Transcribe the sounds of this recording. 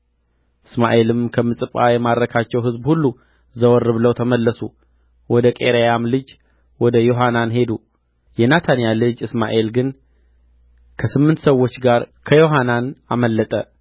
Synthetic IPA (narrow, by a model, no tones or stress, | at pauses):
ʔɨsma̰ʔe̞lɨmkʰəmːɨsʼɨpʼa̰jɛmad̪ɾəkʰat͡ʃːɛwɦɨzbhulːu | zəwɔɾːɨβləwt̪ʰəməlːəsu | wɔd̪əkʼe̞̰ɾejamlɨd͡ʒ | wɔd̪əjo̞ɦananɦe̞d̪u | jɛnat̪ʰanijalɨd͡ʒɨsma̰ʔe̞lɡɨn | kʰəsɨmːɨnt̪səwːo̞t͡ʃːɡaɾkʰəjo̞ɦananaməlːət̪ʼə